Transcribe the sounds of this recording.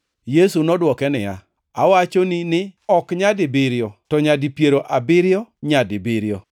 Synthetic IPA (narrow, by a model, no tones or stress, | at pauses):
jesunɔdwɔkɛnɪja̰ | awat͡ʃoninɪɔkɲadɪbɪɾjɔtɔɲadipjeɾoʔabɪɾjɔɲadɪbɪɾjɔ